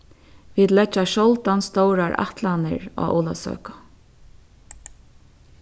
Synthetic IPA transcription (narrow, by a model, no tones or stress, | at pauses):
ʋid̪lɛt͡ʃːaʃɔlt̪anst̪ɔwɾaɹa̰ht̪lanɪ̰ɹa̰ːʔɔːlasœ̰ːkḁ